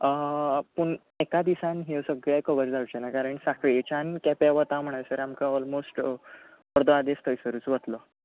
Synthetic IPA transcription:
pəɳ | ekad̪isãnɦisəɡɭakəʋəɾd͡zawt͡ɕenakaɾəɳʈsakɭt͡ɕankɛpɛʋət̪ãm̤əɳ̃ajsəɾamkaɔlmosʈ | pəɾd̪əad̪est̪ʰəjsəɾuːt͡sʋət̪lə

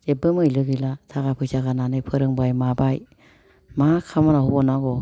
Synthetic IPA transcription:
d͡ʒebɯmɯjlɯɡilatʰaɡapʰɯsaɡananɯjpʰɯɾɯŋbajmabaj | makʰamanahubɔnaɡɔ

